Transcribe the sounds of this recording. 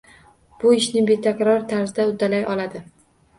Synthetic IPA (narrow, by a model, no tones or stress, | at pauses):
b̥ʊɪʃnɪbe̞t̪ʰakʲɾɒɾt̪ʰaɾzɪd̪aʊd̪alajɒlad̪ɪ